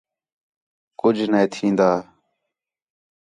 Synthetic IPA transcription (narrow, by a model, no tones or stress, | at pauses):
kʊd͡ʒʱneːt̪ʰĩːnd̪aː